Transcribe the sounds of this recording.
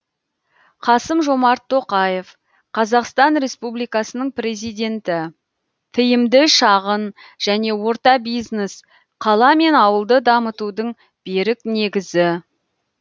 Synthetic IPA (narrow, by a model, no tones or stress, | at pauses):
qʰɑsəmʒo̞mɑɾt̪ʰːo̞qɑje̞f | qʰɑzɑqst̪ɑnɾe̞spublijkɑsənəɴpɾe̞zijd̪ʲe̞nt̪ɪ | t̪ʰəjɪmd̪ɪʃɑʁənʒ̥æne̞wo̞ɾt̪ɑbijznes | qʰɑlˠɑme̞nɑwəlˠd̪əd̪ɑmət̪ud̪əɴ | b̥e̞ɾɪkne̞ɡʲɪzɪ